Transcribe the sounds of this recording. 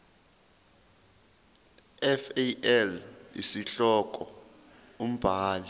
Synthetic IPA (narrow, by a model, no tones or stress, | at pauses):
ɛfɛɛlḭsiɬɔk̬ʼɔ | um̩b̥ʱaːli